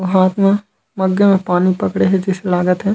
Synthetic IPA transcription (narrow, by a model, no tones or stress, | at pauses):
ɦaːt̪ma | mɐɡːemẽpaːnipɐkɽeɦɛd͡ʒɪselaːɡət̪ɦɛː